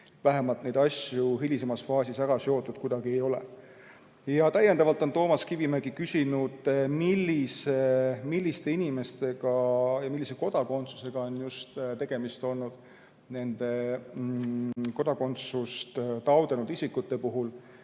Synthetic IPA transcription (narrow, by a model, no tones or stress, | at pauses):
et̪væɦe̞mɑlt̪nejd̪ɑsʲjuɦilʲis̬e̞mɑsfɑːsʲisæɾɑsjo̞ːt̪ːˑud̪̥kud̪ɑɡie̞jo̞lḛ | jɑt̪æje̞nd̪ɑvɑlt̪ːˑo̞nt̪o̞ːmɑskivimeɡikysʲinud̪̥milːisemilʲːist̪e̞inime̞st̪e̞ɡ̥ɑjɑmilːise̞ko̞d̪̥ɑko̞nt̪su̥se̞ɡ̥ɑo̞njust̪t̪e̞ɡ̥e̞mist̪o̞lnːud̪̥ | ne̞nd̪̥e̞ | ko̞d̪ɑko̞nt̪sust̪t̪ɑwd̪̥e̞nud̪isikːˑut̪ːe̞puɦul